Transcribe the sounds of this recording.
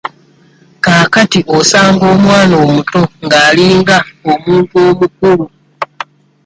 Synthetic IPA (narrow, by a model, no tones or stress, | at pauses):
kaːkatiʔosaːŋɡo̞ːmwaːnoːmuto̞ŋɡaːliːŋɡaomuːntuo̞ːmuk̚ulu